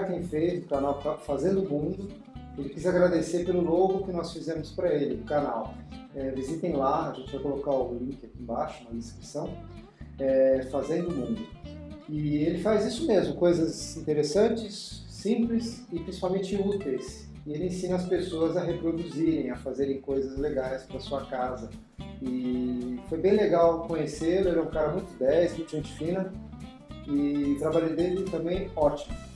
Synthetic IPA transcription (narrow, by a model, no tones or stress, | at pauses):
aɾk̪ẽj̃fezʊkanawafazẽnd̪ʊmũd̪ʊ | elɪkizaɡɾad̪eseɾpelʊloɡʊkɪnɔsfizẽmʊspɾɐelɪʊkanawɛvizit̪ẽj̃laɐʒẽnt͡ʃɪvajkolokaʊlĩkɪakʲiẽbaʃʊumɐd̪ɪskɾisɐ̃w̃ | ɛfazẽnd̪ʊmũnd̪ʊɪelɪfazisʊmezmʊkojzɐzĩnt̪eɾesɐ̃t͡ʃɪsː | ĩplɪsɪpɾĩsipawmẽt͡ʃɪut̪ejs | ɪelɪẽsĩnɐɐspesoɐzɐɦepɾod̪uziɾẽj̃ɐfazeɾẽj̃kojzɐzleɡajspɾɐsuɐkazɐ | ɪfojbẽj̃leɡawkõɲeselʊelɛũkaɾɐmũj̃t̪ʊb̪ɛsmũj̃t̪ʊʒẽt͡ʃɪ̥fĩnɐ | ɪt̪ɾabaʎɐ̃d̪elɪt̪ɐ̃mbẽj̃ɔt͡ʃimʊ